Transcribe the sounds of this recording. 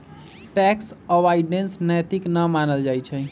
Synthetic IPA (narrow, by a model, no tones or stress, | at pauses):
ʈɛksəʋaiɖensnəjt̪iknəmanəld͡ʒajt͡ʃʰɛ